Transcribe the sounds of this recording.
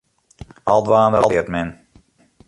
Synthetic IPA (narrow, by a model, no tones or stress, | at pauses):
ɑ̰lˠtʋaːndəɾətmɛn